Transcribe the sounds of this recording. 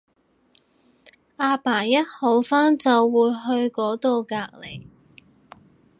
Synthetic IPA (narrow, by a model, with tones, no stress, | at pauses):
ʔaː˧paː˨˩jɐ˥t̚ho˨˧˥wfaː˥nt͡sɐ˨wːuː˨˧jɦɵ˧ɥkɔː˨˥t̪o˨˧wkaː˧k̚le˨˩j